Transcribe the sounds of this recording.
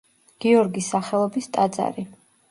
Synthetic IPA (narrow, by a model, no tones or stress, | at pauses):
ɡ̥iɔɾɡisːaχɛlˠɔbist̪ʼad̪za̰ɾi